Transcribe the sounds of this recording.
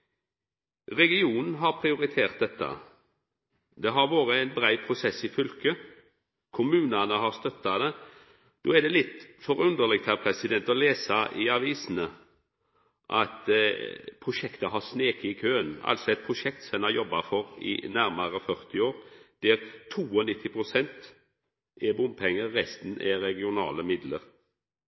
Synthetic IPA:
ʁɛɡɪuːnn̩ɦɑɾpʰɾɪʊɾɪt̪ʰeːʁt̪̚d̪ɛt̪ʰːə̰ | d̪ɛɦɑɾʋoːɾəæɪnbɾæɪpʰɾʊsɛsːɪfʏlkə | kʰʊmʉːnɑnəɦɑɾst̪œt̪ːɑd̪ɛ | d̪̥oːæd̪ɛlɪt̪fɔɾʉnd̪əʁlɪɡ̚t̪ʰæpʰɾɛsɪd̪ɛnt̪ɔleːsɑʔɪɑʋiːsn̩ə | ʔɑt̪ | pʰɾʊʃɛkt̪əɦɑsneːkəɪkʰøːənɑ̰lsɔɛt̪̚pʰɾʊʃɛk̚t̪sɛnɑjɔbːɑfɔɾɪ̰næɾməɾəfœʁt̪ɪoːɾd̪̥ɛɾt̪ʰuːɔnɪt̪ʰːɪpʰʁʊsɛnt̪ | ɛbʊnd̪̚pʰɛŋːəːɛst̪n̩ʔɛɾɛɡɪʊnɑ̰ːləmɪd̪ləɾ

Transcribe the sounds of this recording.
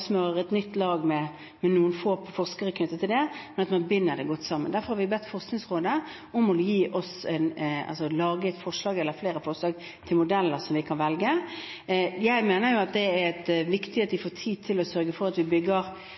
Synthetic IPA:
smøəɾɛt̪nʏt̪ːlɑːɡmɛ | mɛnuːənfoːfɔʁskəɾəkʰnʏt̪ːət̪ʰːɪld̪ɛmɛnɑt̪mɑnbʏnːəd̪ɛɡɔt̪ːsɑmːə̰nd̪æɾfɔɾhɑɾʋɪbɛt̪ːfɔʁsknɪŋsʁoːd̪ə | ɔmɔjiːʔɔsɛnɑ̰lsɔlɑːɡəɛt̪fɔʂlɑːɡɛlːəfleːɾəfɔɾʂlɑːɡ | t̪ʰɪlmʊd̪ɛlːəɾsɔmʋɪkʰɑnʋɛlɡə | jæɪmeːnəɾjʊɑt̪̚d̪ɛæɛt̪ʋɪkt̪ɪhet̪ʋɪfoːt̪ʰiːd̪̚t̪ʰɪlɔsœɾɡəfɔɾɑt̪ʋɪbʏɡːəɾ

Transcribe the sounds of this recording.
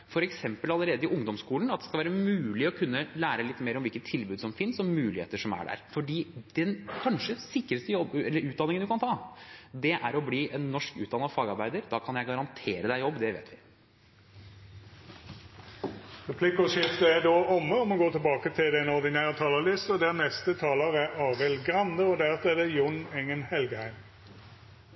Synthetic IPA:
fɔɾɛksɛmpəlɑlːəɾeːd̪əɪʊŋd̪ɔmskuːln̩ɑt̪d̪ɛ̥skɑlʋæːɾəmʉːlɪɔkʰʉnːəlæːɾəlɪt̪ːmeːɾɔmʋɪlkət̪ʰɪlbʉːd̪sɔmfɪnsɔmmʉːlɪhḛːt̪əʂɔmæ̰ɖæ̰ɾfɔɖiːd̪̥ɛnkʰɑnʂəsɪkːɾəst̪əjɔbɛlːəɾʉːt̪d̪ɑnɪŋənd̪ʉkʰɑnt̪ʰɑːd̪ɛʔæɾɔbliːʔɛnːɔʂkʉ̰ːt̪̚d̪ɑnfɑːɡɑɾbæɪd̪əɾd̪ɑːkʰɑnjæɪɡɑɾɑnt̪ʰeːɾəd̪æɪjɔbːd̪ɛʋḛːt̪ʋɪ | ʁɛpʰlikʊʃɪft̪əæd̪oːʔɔmːəɔmɔɡoːt̪ʰɪlbɑːkət̪ʰɪld̪ɛnɔd̪ɪnæːʁət̪ʰɑːləlɪst̪ɔd̪ɛnɛst̪ət̪ʰɑːləʁæɑːʁɛlɡʁɑnd̪əɔd̪æʁt̪æd̪ɛjʊnɛŋənhɛlɡəhæɪm

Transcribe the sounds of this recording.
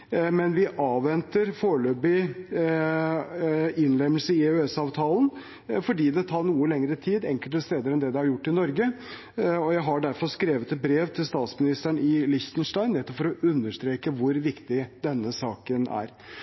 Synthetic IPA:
mɛnʋɪʔɑːʋʋɛnt̪əɾfoːɭøːbɪ | ɪnlɛmːəlsəɪʉɛsɑːʋt̪ʰɑːln | fɔɖiːd̪ɛt̪ʰɑːɳuːəlɛŋɾət̪ʰiːd̪ɛŋkəlt̪əst̪eːd̪əɾɛnd̪ɛd̪ɛhɑɾjʊʈːɪnɔɾɡə | ɔjæɪɦɑɖæɾfɔɾskɾeːʋət̪ɛt̪̚bɾeːʋt̪ʰɪlst̪ɑːt̪smɪnɪst̪æɳɪlɪçt̪ənʂʈɑɪnɛt̪ːɔpfɔɾɔʉnd̪əʂt̪ɾeːkəʋʊɾʋɪkt̪ɪd̪ɛnːəsɑːkənæ̰ɾ

